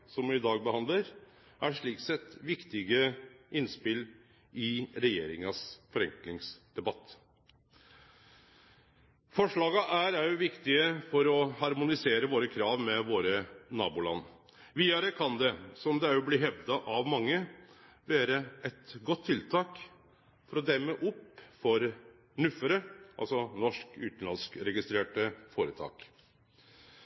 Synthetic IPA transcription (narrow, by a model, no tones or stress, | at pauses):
sɔmʋɪd̪ɑːɡ̚bəhɑnd̪ləɾ | ʔæʂɭiːksɛt̪ːʋɪkt̪ɪɡəɪnspɪl | ɪɾɛjḛːɾɪŋɑsfɔɾɛŋklɪŋsd̪̥ɛbɑt̪ː | fɔʂɭɑːɡɑʔæɾæɾjʊʋɪkt̪ɪəfɔɾɔhɑɾmʊnɪseːɾəʋoːɾəkʰɾɑːʋmɛʋoːɾənɑ̰ːbʊlɑ̰nː | ʋiːɑɾəkʰɑnd̪ɛsɔmd̪ɛæɾjʊbliːɦɛʋd̪ɑʔɑʋmɑŋːə | ʋeːɾəɛt̪ɡɔt̪ʰːɪlt̪ʰɑːk | fɔɾɔd̪ɛmːəʔʊpfɔɾ | ɳʉfəɾəʔɑ̰lsɔnɔʂkʉ̰ːt̪n̩lɑnskɾɛɡɪst̪ɾeːʈəfoːɾət̪ʰɑ̰ːk